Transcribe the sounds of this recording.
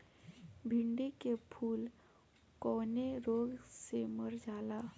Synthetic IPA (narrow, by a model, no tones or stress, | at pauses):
bʱiɳɖekepʰuːl | kɔːneɾoːɡseməɾd͡ʒʱaːla